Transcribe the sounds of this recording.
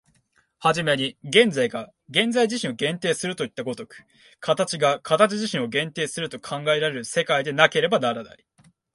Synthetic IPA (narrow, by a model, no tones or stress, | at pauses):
haʑime̞ɲ̟iɡẽ̞nd͡zaiɡa | ɡẽ̞nd͡zaiʑiɕĩɰ̃o̞ɡẽ̞nt̪e̞ːsɨɾɯ̟t̪o̞it̪ːaɡo̞t̪o̞kɯ̟̥ | kʰat̪at͡ɕiɡakʰat̪at͡ɕiʑiɕĩɰ̃o̞ɡẽ̞nt̪eːsɨɾɯ̟t̪o̞kʰãŋɡae̞ɾaɾe̞ɾɯ̟se̞kaid̪e̞nake̞ɾe̞banaɾana̰ɾʲi